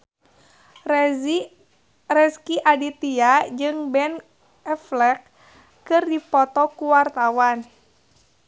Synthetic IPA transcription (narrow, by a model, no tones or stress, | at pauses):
rɛskiʔadit̪iad͡ʒɨŋbɛn | ɛflɛk̚ | kɨrdipɔt̪ɔkuwart̪awan